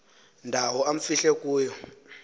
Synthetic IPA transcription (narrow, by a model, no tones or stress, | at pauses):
ndʱawɔam̩fiɬɛk̬ʼuːjɔ